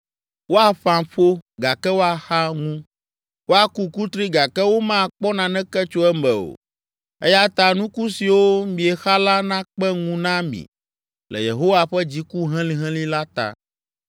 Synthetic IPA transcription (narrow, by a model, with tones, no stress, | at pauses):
wo˦a˨ɸã˨ɸo˦ɡa˨kɛ˦wo˦a˨xa˦ŋũ˦ | wo˦a˨ku˦ku˦t̪ɾi˦ɡa˨kɛ˦wo˦mã˦˨k͡pɔ˦nã˨nɛ̃˦kɛ˦t͡ʃo˦ɛ˦mɛ˨o̰˨ | ɛ˦ja˦t̪a˨nũ˦ku˦si˨wo˦mĩ˨ɛ˨xa˦la˦nã˦k͡pɛ˦ŋũ˦nã˦mḭ̃˨ | lɛ̰˨jḛ˨ɦo˦wa˨ɸɛ˦d͡ʑi˦ku˦ɦɛ̃˦lĩ˦ɦɛ̃˦lĩ˦la˦t̪a̰˨